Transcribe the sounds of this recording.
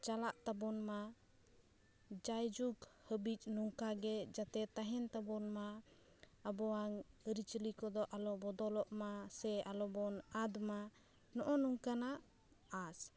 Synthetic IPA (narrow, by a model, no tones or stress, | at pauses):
t͡ʃalaʔt̪abɔnma | d͡ʒajd͡ʒuɡhəbic̚ˀnɔŋkaɡɛd͡ʒat̪ɛt̪aɦɛnt̪abɔnmaː | bɔwaŋɾit͡ʃlikɔd̪ɔʔalɔbɔd̪ɔlɔʔmasɛalɔbɔnad̪ma | nɔʔɔnɔŋkana | as